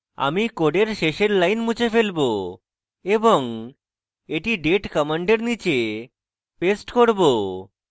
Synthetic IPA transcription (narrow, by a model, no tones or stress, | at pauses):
a̰mikoɖeɾʃeʃeɾlajnmũt͡ɕʰefelbo | eboŋ | eʈiɖeʈkɔmaɳɖeɾnit͡ɕe | pesʈkoɾbo